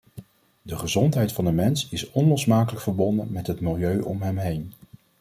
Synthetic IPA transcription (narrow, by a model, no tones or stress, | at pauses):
dəχəzɔntɦɛjtfɑndəmɛnsɪsɔnlɔsmaːkələkfəɹbɔndənmɛtɦətmɪlˠjøɥʔɔmɦɛmɦejn